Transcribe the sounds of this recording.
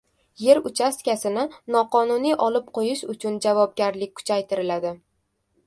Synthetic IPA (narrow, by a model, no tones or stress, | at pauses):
je̞ɾʊt͡ʃʰast̪kʲasɪnɪnɒqɒnʊnijʔɒlɪp̚qʰojɪʃʊt͡ʃʰʊnd͡ʒavɒb̚ɡʲaɾlɪk̚ʲkʰːʊ̥t͡ʃʰajt̪ʰɪɾɪlad̪ɪ